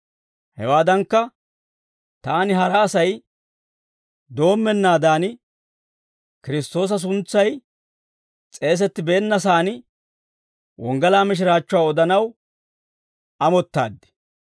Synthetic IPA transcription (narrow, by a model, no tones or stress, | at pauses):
hɛ̰waːd̪ɐŋkːɐ | t̪aːnɪɦɐɾɐːsɐj | d̪o̞ːmːɛnːaːd̪aːnɪ | kɪɾɪst̪o̞ːs̬ɐs̬ʊnt͡sːɐj | t͡sʼe̞ːs̬ɛt̪ːɪbeːnːɐsaːnɪ | wɔŋɡɐlaːmɪʃ̬ɪɾaːt͡ʃːʊwaːɔd̪ɐnɐw | ɐmɔt̪ːa̰ːd̪ːɪ̥